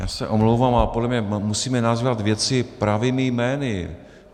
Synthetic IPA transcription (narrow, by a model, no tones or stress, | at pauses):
ja̰ːsɛ̰ʔomlowvaːmalɛpodlɛmɲɛmusiːmɛnazvat̪vjɛt͡sɪpɾavɪmɪjmɛːnɪ